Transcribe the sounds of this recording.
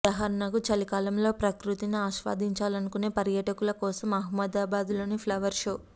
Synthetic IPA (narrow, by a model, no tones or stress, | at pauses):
dɐɦɐɾnɐɡut͡ʃɐlikaːlɐmlo̞ːpɾɐkɾut̪iniaːʃʋa̰ːd̪ʱiɲt͡ʃaːlɐnukune̞ːpɐɾjɐːʈɐkulɐkɔːsɐmɐɦmɐd̪aːbaːd̪ulo̞ːnipʰlɐʋɐɾʃo̞ː